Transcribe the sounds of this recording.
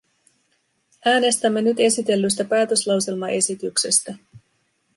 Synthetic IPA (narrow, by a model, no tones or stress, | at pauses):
æːne̞st̪æmːe̞nyt̪e̞sit̪e̞lːys̬t̪æpæːt̪ø̞slɑwse̞lmɑʔe̞sit̪ykse̞st̪æ